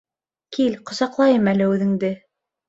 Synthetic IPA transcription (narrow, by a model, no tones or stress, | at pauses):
kilqŏsɑqlˠɑjɤmælɘʉðɘ̆ŋd̪ɘ